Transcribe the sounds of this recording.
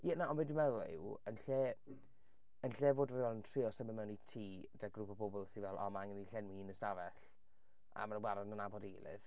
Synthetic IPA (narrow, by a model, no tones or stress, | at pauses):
jɛnaɔmɛdɪmɛðlɪ̰wənɬɛ | ənɬɛvoːdəvɛvɛlˠəntʰrɪɔsəməmɛwnitʰiː | daɡrupʰɔbʊbɔlˠsivɛlˠɔ̰maŋəniɬɛnwiiːnəsdavɛɬ | a̰manəwaɾɔdnənabɔdiːlˠɪ̰v̥